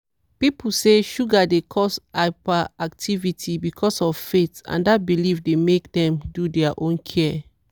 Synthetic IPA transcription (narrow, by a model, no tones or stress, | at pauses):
pipl̩seʃuɡadekʰɔsaɪpaaktʰivitʰibikʰɔsɔvfetã̰ndat̚bilifdemekdɛ̃mdudɛaʔõnkʰɛ